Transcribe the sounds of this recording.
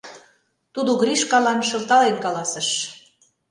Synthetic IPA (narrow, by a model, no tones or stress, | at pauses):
t̪ud̪oɣriʃkɑlɑnʃɤ̆lt̪ɑlenkɑlɑsə̆ʃ